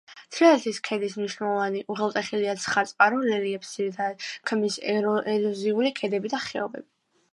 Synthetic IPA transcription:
t̪ʰɾɛɛziskʰɛd̪ismniʃwnɛlˠɔvaniʔuʁɛlˠt̪ʼɛχiliat̪sʰχat̪sʼqʼaɾɔlɛliɛpsid̪akʰmisɛlɔziulikʰɛd̪ɛbid̪aχɛɔbɛ̰bi

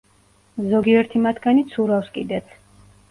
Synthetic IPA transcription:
zɔɡiɛɾt̪ʰimat̪ʰɡanit̪sʰuɾafskʼid̪ɛt̪sʰ

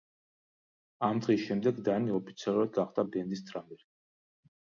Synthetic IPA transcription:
amd̪ʁisʃɛmd̪ɛɡd̪aniɔpʰi̥t̪sʰialˠuɾad̪ɡaχd̪abɛnd̪ist̪ʰɾamɛɾ

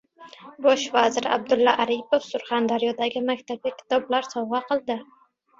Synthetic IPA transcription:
bɒʃvazɪɾa̰b̚d̪ʊlˠːaʔaɾipʰofsʊɾχand̪aɾijɒd̪aɡʲɪmakʲt̪ʰab̚ɡʲakʲʰɪ̥t̪ʰɒblaɾsɒwʁɑqʰɨlˠd̪ɪ

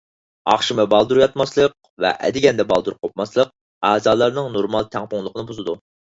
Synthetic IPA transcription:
ɑ̰χʃɨmɨbɑlˠd̪uɾjɑt̪mɑslˠəq̚ | vɛ̰ʔɛ̰d̪ɪɡʲɛnd̪ɛbɑlˠd̪uɾqʰop̚mɑslˠəq̚ | æːzɑːlˠɑɾnɨŋnoɾmɑlˠt̪ʰæŋpʊŋlˠəqʰənɨbuzɨd̪u

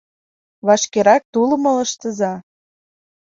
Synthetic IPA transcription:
βɑʃkeɾɑk̚t̪ulə̆mɤ̆lə̆ʃt̪ə̆zɑ

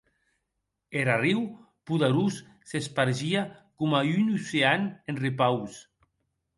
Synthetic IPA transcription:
eɾariw | puðeɾusː | espaɾʒiakomaynuseanenripaws

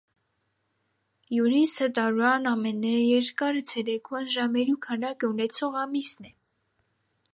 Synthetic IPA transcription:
juɾisət̪ɑɾuɑnɑmɛnɛjɛɾkɑɾət͡sʰɛɾɛkʰunʒɑmɛɾukʰɑnɑkəunɛt͡sʰɔʁɑmisnɛ

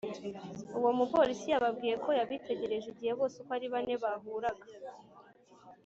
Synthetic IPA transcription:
uwo̞mupolisijaβabɡiːje̞kʰo̞jaβite̞ɟe̞ɾe̞ʒeɟihe̞βo̞ːsekoaɾiβane̞βaɦuːɾaɡa

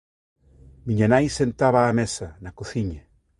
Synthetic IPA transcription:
miɲanajsent̪aβaːmesɐnakoθiɲa

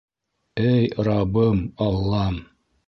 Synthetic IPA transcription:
æjɾɑbɤmɑlˠːɑm

